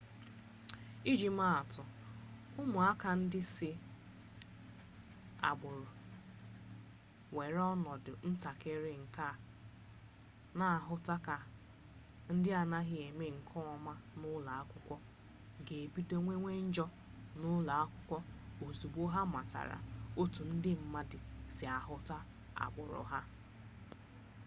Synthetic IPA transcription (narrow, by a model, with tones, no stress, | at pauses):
i˦d͡ʒi˨ma˦a˨tʊ˨ | ʊ˦mʊ˨a˦ka˨n̩˦dɪ˦sɪ˦ | a̰˨ɡ͡bʊ˨ɾʊ˨ | we˨ɾɔ˦nɔ˨dʊ˨n̩˦ta˨ke˦ɾe˦ŋ̩˨ka˦˨ | na˨a˨ɦʊ˦ta˦ka˨ | n̩˦dɪ˦a˨na˦ɦɪ˦e˨me˦ŋ̩˨kʰɔ˦˨ma˦nʊ˦la˨a˦kʷʊ˦kʷɔ˦ | ɡe˨e˨bi˦to˦ŋʷe˦ŋʷe˦n̩˦d͡ʒɔ˦ | nʊ˦la˨a˦kʷʊ˦kʷɔ˦o˨zu˨bo˦ɦa˦ma˨ta̰˨ɾa̰˨o˦tu˨n̩˦dɪ˦m̩˦ma˦dɪ˨sɪ˨a˨ɦʊ˦ta˦ | a̰˨ɡ͡bʊ˨ɾʊ̰˨ɦa˦